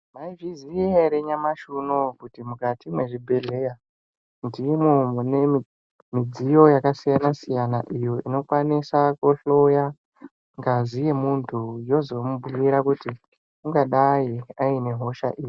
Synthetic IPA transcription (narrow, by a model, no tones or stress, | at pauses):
maivizieɾeɲamaʃunokutimukatimwe̞ʐibʱe̞ɮe̞ja | ndimwomune | mid͡zijo̞jakasijanasijanaʔijo̞ino̞kwanisakoɬo̞ja | ŋɡazije̞muntʰujo̞zo̞muɓujiɾakuti | kuŋɡaɗajiaine̞ɦo̞ʃa̰ʔiːjii